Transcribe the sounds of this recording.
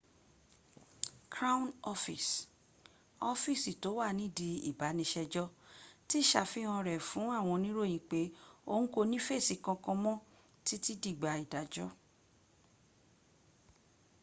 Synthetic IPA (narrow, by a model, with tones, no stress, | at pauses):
kɾa˦ũ˦nɔ˦fi˨s | ɔ˦fi˦˨si˨to˨˦wa˦˨nĩ˦˨di˧ḭ˨ba˨˦nĩ˧ʃɛ˧d͡ʒɔ˦ti˦˨ʃa˨fĩ˦ɔ̃˧ɾɛ˨fũ˨˦a˦˨w̃ɔ̃˧nĩ˦ɾo˦˨j̃ĩ˨k͡pe˨˦o˧nũ˦ko˧nĩ˦fe˦˨si˧˦kã˧kɔ̃˧mɔ̃˦ | ti˦ti˦di˦˨ɡ͡ba˨i˨da˨d͡ʒɔ˦